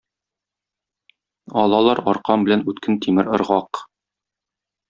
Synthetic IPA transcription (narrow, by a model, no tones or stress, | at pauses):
ɒlˠɑlˠɑɾɒɾqɑmbɘ̆lænʉt̪kɘnt̪imɘɾŏɾʁɑq